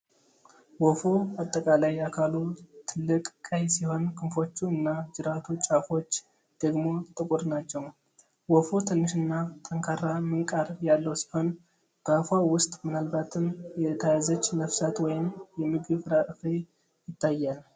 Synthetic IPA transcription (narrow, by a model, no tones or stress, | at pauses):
wɔfoat̪ʼːəkʼalajakʰalut̪ʰɨlːɨkʼkʼəjsiho̞nkʰɨnfo̞t͡ʃːuɨnːad͡ʒɨɾat̪ʰut͡ʃʼafo̞t͡ʃː | d̪̥əɡmo̞t̪ʼɨkʼʊɾnat͡ʃːɛw | wɔfot̪ʰɨnːɨʃɨnːat̪ʰʼəŋkʰaɾamɨŋkʼaɾjalːəwsi̥ho̞n | ɡ̥afawʊst̪ʼmɨnalbat̪ʰɨmjɛt̪ʰajazət͡ʃːnəfsat̪wɔjɪmjɛmɨɡɨβɾaʔɨfe | jɪt̪ʰːajːal